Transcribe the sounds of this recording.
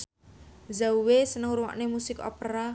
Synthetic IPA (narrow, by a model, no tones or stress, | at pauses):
zauwesənəŋuɾuwa̰ʔnemusɪkɔ̰peɾa